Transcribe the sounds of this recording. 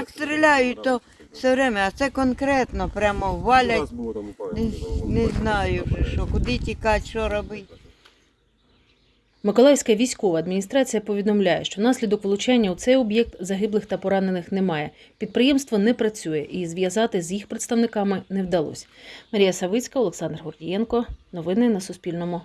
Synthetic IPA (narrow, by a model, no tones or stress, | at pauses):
kst̪ɾɪlʲajʊt̪ɔ | wsɛʋɾɛmɛɐt̪sɛkɔnkɾɛt̪nɔpɾʲamɔwʋɑlʲɐtʲnnɛznɑjʊʒɪʃɔkʊd̪ɪtʲikɑtʲt͡ʃɔɾɔbɪtʲ | mɪkɔlˠɑjsʲkɐʋʲijsʲkɔʋɐːd̪mʲinʲist̪ɾɑt͡sʲijɐpɔʋʲid̪ɔmlʲajɛʃt͡ʃɔnɑsʲlʲid̪ɔkʋlˠʊt͡ʃɛnʲːɐwt̪sɛjɔbʲjɛk̚t̪zɐɦɪblˠɪxt̪ɐpɔɾɑne̞nɪxnɛmɑjɛ | pʲid̪̚pɾɪjɛmst̪ʋɔnɛpɾɐt͡sʲujɛʔizʋʲjɐzɑt̪ɪzjixpɾet̪st̪ɐʋnɪkɑmɪnɛwd̪ɐlˠɔ̰sʲmɐɾʲijɐsɐʋɪt͡sʲkɐɔlˠeksɑnd̪rɦɔrdʲijɛnkɔnɔʋɪnɪnɐsʊspʲilʲnɔmʊ